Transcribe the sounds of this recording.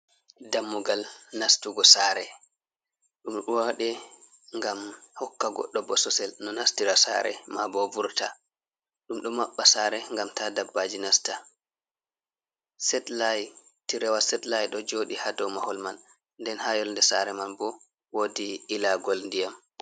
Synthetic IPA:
damːuɡalnastuɡɔsaːɾɛ | ɗumɗuwaɗɛ | ŋɡamhɔkːaɡɔ̰ɗːɔbɔsɔsɛlnɔnastiɾasa̰ːɾɛ̰mabɔvuɾta̰ | ɗumɗumːaɓːasaːɾɛŋɡamtadabːad͡ʒinasta | sɛtlaj | tiɾɛwasɛtlajɗɔd͡ʒoːɗihadɔmahɔlman | ndɛnhajɔlndɛsaɾɛmanbɔ | wodiːlaɡɔlndijam

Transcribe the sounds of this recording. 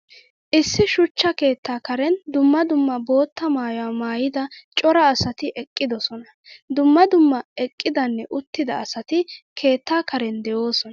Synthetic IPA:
ʔɪsːɪʃʊt͡ʃːɐke̞ːt̪ːaːkɐɾɛnd̪ʊmːɐd̪ʊmːɐbo̞ːt̪ːɐmaːjwaːmaːjɪd̪ɐt͡ʃʼɔɾɐːsɐt̪ɪʔɛkʼːɪd̪ɔsɔnɐ | d̪ʊmːɐd̪ʊmːɐɛkʼːɪd̪ɐnːɛʔʊt̪ːɪd̪ɐːsɐt̪ɪkʰe̞ːt̪ːaːkɐɾɛnd̪ɛjo̞ːsɔnɐ

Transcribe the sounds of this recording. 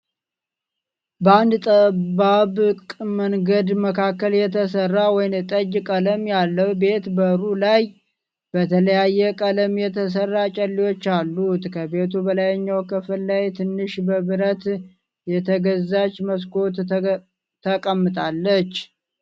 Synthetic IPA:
bəand̪t̪ʼəbaβkʼməŋɡəd̪məkʰakːəljɛt̪ʰəsərːawɔjnt̪ʼəd͡ʒkʼələmjalːəwbe̞t̪bəɾulaj | bət̪ʰələjajːɛkʼələmjɛt̪ʰəs̬ərːat͡ʃʼəlːiwo̞t͡ʃːalːut̪kʰəbe̞t̪ʰubəlajəɲːawkʰɨfɨlːajt̪ʰɨnːɨʃbəβɨɾət̪ | jɛt̪ʰəɡəzːat͡ʃːməs̬ko̞t̪ | t̪ʰːəkʼəmːɨt̪ʼalːət͡ʃː

